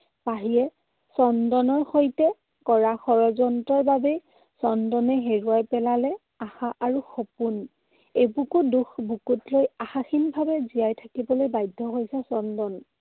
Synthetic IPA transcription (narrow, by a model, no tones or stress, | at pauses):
paɦijɛ | sɔndɔnɔɹxojtɛ | kɔɹaxɔɹɔzɔntɔɹbabɛ | sɔndɔnɛɦeɹuajpɛlalɛ | axaʔaɹuxɔpun | ejbukuduxbukutlojaxaxinbʱabɛzijajtʰakibɔlojbajdʱːɔɦojsɛsɔndɔn